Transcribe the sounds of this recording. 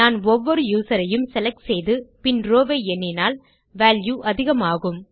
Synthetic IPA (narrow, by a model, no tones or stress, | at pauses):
naːnɔʋːɔɾɯjuːsɐɾɐjɯmsɛlɐk̚ʈsɛjðɯpɪnɾoːʋeːɛnːɪnaːl | ʋaːljuːʔɐðɪɣɐmaːɣɯm